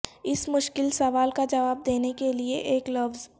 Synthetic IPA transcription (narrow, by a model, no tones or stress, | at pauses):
ɪsmʊʃkɪlsɐʋaːlkad͡ʒɐʋaːb̚d̪eːnekelieʔeːklɐʋz